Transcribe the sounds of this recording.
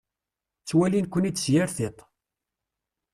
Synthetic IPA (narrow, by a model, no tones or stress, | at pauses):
t͡sːwælinkʷːənid̪sjaɾθɪt̪ˤ